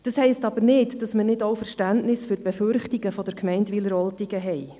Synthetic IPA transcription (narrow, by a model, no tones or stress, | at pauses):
d̥ɑshɛɪstɑb̥əɾnɪtd̥ɑsmənɪdowfəɾʃtæntnɪsføɾb̥ɛførχtiɡəfɔd̥əɾkʰmɛɪntʋiləɾɔltiɡəɦɛj